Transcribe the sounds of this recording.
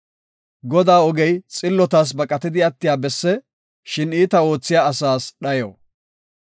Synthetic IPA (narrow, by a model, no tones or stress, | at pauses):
ɡɔd̪aːɔɡɛjt͡sʼɪlːɔt̪as̬bɐkʼɐt̪ɪd̪ɪɐt̪ːɪjaːbɛsːɛ | ʃɪniːt̪ɐo̞ːt͡sːɪjaːsaːsɗɐjo̰ː